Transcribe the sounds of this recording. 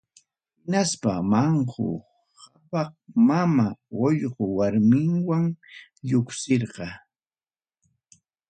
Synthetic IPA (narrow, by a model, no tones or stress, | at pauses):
hɪnaspamɑɴhʊ̰ | hapɑχmamaojɢowaɾmɪŋwaŋʎʊksɪɾɢɑ